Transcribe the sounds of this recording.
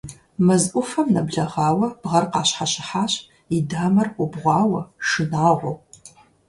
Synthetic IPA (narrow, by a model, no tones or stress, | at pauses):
mɐzʔʷʊfɐmnɐbɮɐʁɑːwɐb̥ʁɐrqɑːɕħaɕɪħaːɕ | idaːmɐrʷʊbʁʷɑːwɐʂɨnaːʁʷʊw